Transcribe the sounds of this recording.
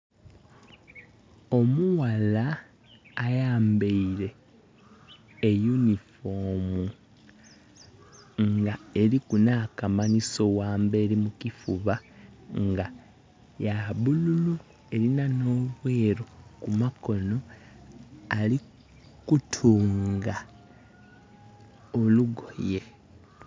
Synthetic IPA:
o̞muwalaː | jaːmbeiɾe̞ | junifo̞mu | ŋɡae̞likunakamaniso̞waːmbe̞ːlimukifuβaŋɡa | jaβululu | e̞ɾinano̞ːβwe̞ːɾokumako̞no̞ | ali | kutʰuːŋɡa | oluɡo̞je̞

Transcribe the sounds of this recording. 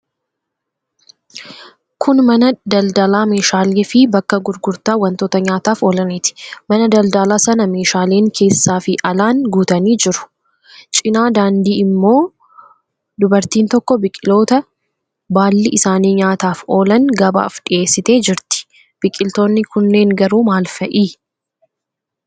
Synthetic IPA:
kʰʊnmɐnɐd̪ɐld̪ɐlaːme̞ːʃaːleːfɪbɐkːɐɡʊɾɡʊɾt̪aːwɐnt̪o̞ːt̪ɐɲaːt̪aːfo̞ːlɐniːt̪ɪ̥mɐnɐd̪ɐld̪ɐlaːsɐnɐme̞ːʃaːle̞ːŋkʰe̞ːsːaːfɪʔɐlaːŋɡuːt̪ɐniːd͡ʒɪɾʊ̥ | t͡ʃʼɪnaːd̪aːnd̪iːɪmːo̞ː | d̪ʊbɐɾt̪iːnt̪ɔkːɔbɪkʼɪlo̞ːt̪ɐ | baːlːɪɪsaːniːɲaːt̪aːfo̞ːlɐŋɡɐba̰ːfᶑɪʔe̞ːsːɪt̪e̞ːd͡ʒɪɾt̪ɪ̥ | b̥ɪkʼɪlt̪o̞ːnːɪkʊnːe̞ːŋɡɐɾuːmaːlfɐʔiː

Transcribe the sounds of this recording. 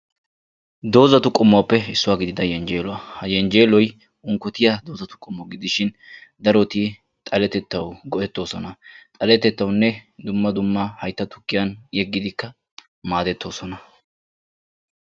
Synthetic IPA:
d̪o̞ːzɐt̪ʊkʼʊmːɔpːɛɪsːʊwaːɡɪd̪ɪd̪ɐjɛnd͡ʒeːlɔwɐhɐjɛnd͡ʒeːlɔj | ʊŋkːɔt̪ɪjɐd̪o̞ːzɐt̪ʊ̥kʼːʊmːɔɡɪd̪ɪʃɪn | d̪ɐɾɔt̪i | t̪ʼɐlɛt̪ɛt̪ːɐwɡɔʔɛt̪ːo̞ːsɔnɐt̪ʼɐlɛt̪ːɛt̪ːɐwnːɛd̪ʊmːɐd̪ʊmːɐhɐjt̪ːɐt̪ʊ̥kːɪjɐnjɛɡːɪd̪ɪkːɐ | maːd̪ɛt̪ːo̞ːsɔnɐ

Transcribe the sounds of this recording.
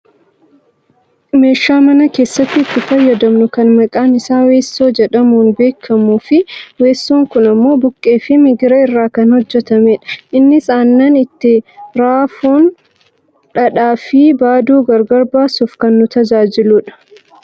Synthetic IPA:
me̞ːʃːaːmɐnɐke̞ːsːɐt̪ːɪːt̪ːɪfɐjːɐd̪ɐmnʊkɐnmɐkʼaːnɪsaːwe̞ːsːo̞ːd͡ʒɛᶑɐmuːnbe̞ːkʰːɐmuːfɪwe̞ːsːo̞ːŋkʊnɐmːo̞ːbʊkʼːe̞ːfɪmɪɡɪɾɐɪrːaːkɐnhɔd͡ʒːɛt̪ɐmeːᶑɐ̥ʔɪnːɪsaːnːɐnɪt̪ːɪɾaːfuːn | ᶑɐᶑaːfɪbaːd̪uːɡɐɾɡɐɾbaːsufkɐnːʊt̪ɐd͡ʒaːd͡ʒɪluːᶑɐ̥

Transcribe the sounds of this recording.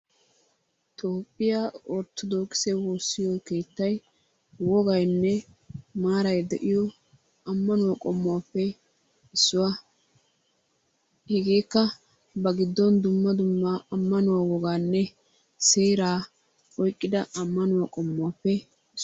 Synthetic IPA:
t̪ʰoːpʼːɪjaɔɾt̪ːɔd̪oːkʼɪ̥sɛwoːsːɪjɔkeːt̪ːɐj | wɔɡɐjnːɛ | maːɾɐjd̪ɛʔɪjɔ | ɐmːɐnʊwakʼɔmːʊapːɛ | ɪsːʊwa | hɛɡeːkːɐ | bɐɡɪd̪ːɔnd̪ʊmːɐd̪ʊmːaɐmːɐnʊwawɔɡaːnːɛ | seːɾaː | ɔjkʼːɪd̪ɐɐmːɐnʊwakʼɔmːʊapːɛ | ɪ

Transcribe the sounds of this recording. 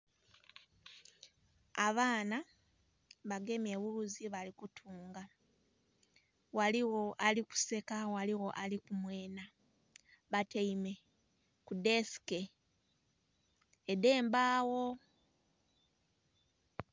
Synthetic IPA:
aβaːna | βaɡe̞mje̞βuluziβalikutʰuːŋɡa | waliwo̞ʔaliku̥se̞kawaliwo̞ʔalikumwe̞ːna | βateime̞ | kude̞si̥ke̞ | de̞ːmbaːwo̞

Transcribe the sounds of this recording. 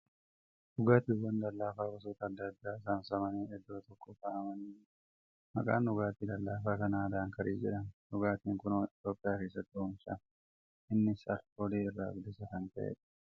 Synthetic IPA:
nʊɡaːt̪ɪʊɡɐnd̪ɐlːaːfaːbɐs̬oːt̪ɐːd̪ːɐd̪ːaːɪsansɐmɐneːɛd̪ːo̞ːt̪ɔkːɔkaʔɐmɐniː | mɐ̰kʼa̰ːnːʊɡaːt̪iːd̪ɐlːaːfaːkɐnaːd̪aːŋkɐɾḭːd͡ʒɪᶑɐnnʊɡaːt̪iːŋkʊnoːɪt̪jo̞ːpʼːɪjaːke̞ːs̬ːɐt̪ːɪʊmʃɐn | ɪnːɪsɐɾoliːɪrːa̰ːɡd̪ɪsɐkɐnt̪ɐʔḛːᶑɐ̥

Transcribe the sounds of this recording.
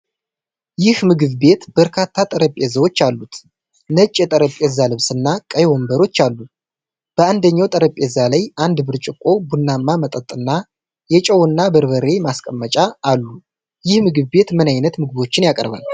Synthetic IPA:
jɪhmɨɡɨβbe̞t̪bəɾkʰat̪ʰːat̪ʼəɾəpʼezəwo̞t͡ʃːalːut̪ | nət͡ʃʼːɛt̪ʼəɾəpʼːɛzalɨβsɨnːakʼəjwombəɾo̞t͡ʃːalːu | b̥əand̪əɲːawt̪ʼəɾəpʼːezalajand̪bɨɾt͡ʃʼɪkʼːo̞bunːamːamət̪ʼət̪ʼɨnːa | jɛt͡ʃʼəwɨnːabəɾβəɾe̞maskʼəmːət͡ʃʼaːlːu | jɪhmɨɡɨβbe̞t̪mɨnajnət̪mɨɡɨβo̞t͡ʃːɪnjakʼɾβə̰n

